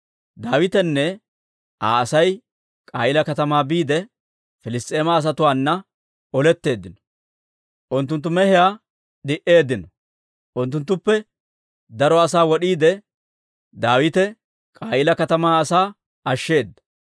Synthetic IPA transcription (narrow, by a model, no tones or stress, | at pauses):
d̪aːwɪt̪ɛnːɛ | a̰ːɐsɐj | kʼaːjɪlɐkɐt̪ɐmaːbiːd̪ɛ | fɪlɪst̪ʼe̞ːmaːs̬ɐt̪ʊwaːnːɐ | ɔlɛt̪ːe̞ːd̪ːɪnɔ | ʔʊnt̪ːʊnt̪̬ːʊmɛhɪjaː | ɗɪʔe̞ːd̪ːɪnɔ | ʔʊnt̪ːʊnt̪̬ːʊpːɛ | d̪ɐɾɔɐsaːwɔɗiːd̪ɛ | d̪aːwɪt̪ɛ | kʼaːjɪlɐkɐt̪ɐmaːɐsaː | ɐʃːe̞ːd̪ːɐ̥